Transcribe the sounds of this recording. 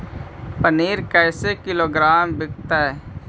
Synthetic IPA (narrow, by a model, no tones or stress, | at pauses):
pəniːɾkɛːsekɪloːɡɾaːmbɪkt̪aɦɛː